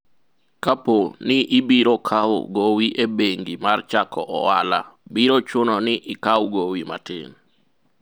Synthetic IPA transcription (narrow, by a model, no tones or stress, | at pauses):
kaponɪʔɪbiɾokʰaw̰ɡowiʔebeŋɡimart͡ʃakʰɔʔɔwa̰la̰biɾot͡ʃʊnɔnɪʔɪkawɡowima̰tɪ̰n